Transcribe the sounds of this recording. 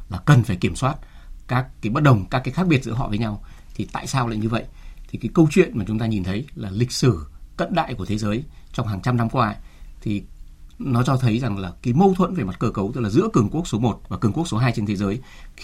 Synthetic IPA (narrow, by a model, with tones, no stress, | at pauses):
laː˨˩kə˨˩nfaː˧˩jki˧˩əmswaː˦˥t̚ | kaː˦˥kːaː˨˦jɓə˦˥t̚ɗə˨˩wŋ͡mkaː˦˥kːaː˨˦xaː˦˥k̚ɓi˨˩ət̚zɨ̰˧˥əɦɔ̰˧˨vəː˨˦jɲa˧wt̪ʰi˨˩t̪a̰ː˧˨jsaː˧wla̰ː˧˨jɲɨ˧və̰˧˨jʔt̪ʰi˨˩kaː˨˦jkə˧wt͡ɕwḭ˧˨ənmaː˨˩t͡ɕʊ˨˦ŋ͡mt̪aː˧ɲi˨˩nt̪ʰə˨˦jlaː˨˩lï˨˩k̟̚sɨ˧˩kə̰˧˨nɗa̰ː˧˨jku˧˩t̪ʰe˨˦zəː˨˦jt͡ɕɔ˧ŋ͡mɦaː˨˩ŋt͡ɕa˧mna˧mkwaː˧t̪ʰi˨˩nɔ˨˦t͡ɕɔ˧t̪ʰə˨˦jza˨˩ŋlaː˨˩ki˨˦jmə˧wt̪ʰwə̰˧˨nve˨˩ma˨˩t̚kəː˧kə˨˦wt̪ɨ˦˥k̚laː˨˩zɨ̰˧˥kɨ˨˩əŋku˦˥ək̚so˨˦mo˨˩t̚vaː˨˩kɨ˨˩əŋku˦˥ək̚so˨˦ɦaː˧jt͡ɕe˧nt̪ʰe˨˦zəː˨˦j